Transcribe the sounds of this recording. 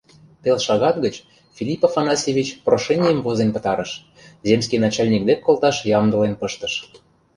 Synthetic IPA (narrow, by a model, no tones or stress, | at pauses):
p̪elʃɑɣɑt̪ɡət͡ɕ | fʲilʲipofɑnɑsʲevʲit͡ɕproʃenʲijəmvozenpə̆t̪ɑɾə̆ʃ | zemskijnɑt͡ɕɑlʲnʲik̚d̪ekːolˠt̪ɑʃjɑmd̪ɤ̆lenpə̆ʃt̪ə̆ʃ